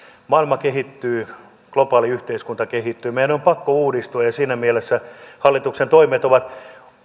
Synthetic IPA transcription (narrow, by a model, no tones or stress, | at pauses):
mɑilmɑkeɦit̪ːyː | klopɑːliyht̪eiskunt̪ɑkehit̪ːyːmeiænompɑkːouːdist̪uɑjɑsiːnæmielesːæhɑlːit̪uksent̪oimet̪oʋɑt̪